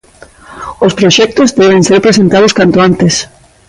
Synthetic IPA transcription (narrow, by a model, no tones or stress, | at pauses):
ospɾoʃɛk̚t̪ʊzd̪ɛβẽŋseɾpɾesent̪aðʊskant̪ʊant̪es